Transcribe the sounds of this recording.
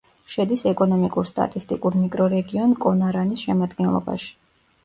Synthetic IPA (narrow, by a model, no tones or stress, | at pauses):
ʃɛd̪isɛkʼɔnɔmikʼuɾst̪ʼa̰t̪ʼist̪ʼḭkʼuɾmikʼɾɔɾɛɡiɔnkʼɔnaɾanisʃɛmad̪ɡɛnlˠɔ̰ba̰ʃi̥